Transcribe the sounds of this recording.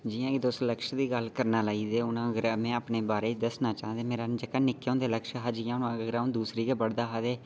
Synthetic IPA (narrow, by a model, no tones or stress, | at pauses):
d͡ʒɪjãːkid̪ʊst̪ləkʃd̪iːɡəlkəɾnaːlaːiːd̪eːʊnãːɡɾamɛ̃ːaːpneːbaːɾeːd̪əsnaːt͡ʃaːnd̪eːmeːɾaːd͡ʒəkːaːnɪkːõːnd̪eːləkʃɦəd͡ʒjãːnãːɡɡɾãːd̪uːsɾiːɡaːbəɽd̪aːɦad̪eː